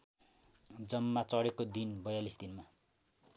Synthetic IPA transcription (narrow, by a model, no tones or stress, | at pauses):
d͡zʌmːat͡sʌɽekod̪inbʌjalisd̪inma